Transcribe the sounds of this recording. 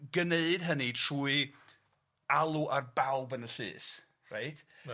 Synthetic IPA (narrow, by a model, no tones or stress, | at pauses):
ɡəneɨdɦənitʰr̥uːi | alˠuʔarbawbənəɬɨ̰ːs | ra̰ɨtʰ